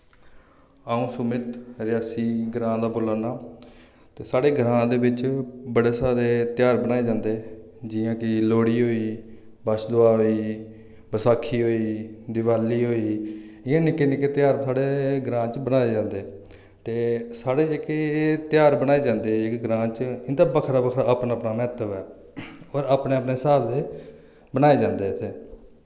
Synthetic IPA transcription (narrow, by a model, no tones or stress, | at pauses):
aũːsʊmɪt̪ɾɪjaːsiːɡɾãːd̪aːboːlaːnaː | t̪eːsaːɽeːɡɾãːd̪eːbɪt͡ʃbəɽeːsaːɾeːt̪ɪjaːɾbənaːeːd͡ʒãːnd̪eː | d͡ʒɪjãːkɪloːɽiːɦoːiː | bəʃd̪ʊaːɦoːiː | bəsaːkʰːiːɦoːiːd̪ɪʋaːliːɦoːiː | ɪjãːnɪkːenɪkːeːt̪jaːɾsaːɽeːɡɾãːt͡ʃbənaːeːd͡ʒãːnd̪eː | t̪eːsaːɽeːd͡ʒeket̪jaːɾbənaːeːd͡ʒãːnd̪eːɪkɡɾãːt͡ʃɪnd̪aːbəkʰɾaːbəkʰɾaːaːpnaːpnaːmɛːt̪əʋɛː | ɔːɾaːpneːəpneːsaːbd̪eː | bənaːeːd͡ʒãːnd̪eːɪt̪ʰːeː